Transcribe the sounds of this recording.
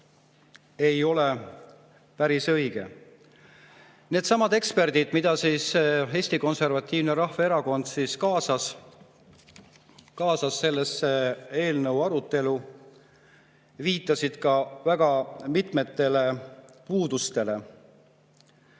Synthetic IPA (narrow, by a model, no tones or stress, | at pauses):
e̞jo̞le | pæɾisɤ̞jɡ̥e̞̰ | ne̞ːd̪sɑmɑd̪e̞kspe̞rd̪id̪̥mid̪̥ɑsiːse̞ːsʲt̪iko̞nse̞rvɑt̪ʲˑːiːvneɾɑhveeɾɑko̞nd̪̥siːskɑːsɑs | kɑːsɑsːe̞lːesːee̞ːlnɤwɑɾut̪ːˑe̞lu | viːt̪ˑːɑsid̪̥kɑvæɡ̥ɑmit̪me̞t̪ːe̞le̞puːd̪ust̪e̞le̞